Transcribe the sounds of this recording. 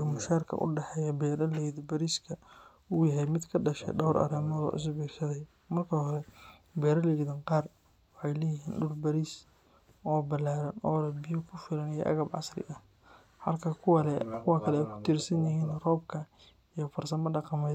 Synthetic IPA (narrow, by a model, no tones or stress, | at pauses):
ɐmɐʃaːrkʰɐ̰ʔʊ̰ɖɛħɛːjɐbɛːɾɐlɛjðbɐɾiskʰɐ | uːjɐɦɛjmɪd̪kʰɐɖɐʃɛ̰ɖɔwɾʔɐ̰ɾɛːmɔðɔ̰ʔɪ̰s̬bɛːrʃɐðɛj | mɐrkʰɐhɔɾɛbɛːɾɐlɛjðɐŋqɑːr | wɑħɑjlɛːjɪɦiːnɖʊrbɐɾiːs | ɔːbɐlaːɾɐnɔːlɛbɪjʊkʰʊfɪlɐnijɔ̰ʔɐ̰ɣɐbʕɑ̰srɪ̰ʔɐ | hɐlkʰɐkʰʊwɐlɛkʰʊwaːkʰɐlɛɛjkʰʊ̥t̪ʰiːrsɐnɐhiːnrɔːbkʰɐ | ijɔfɐrsɐnmɐɖɑqɑmɛj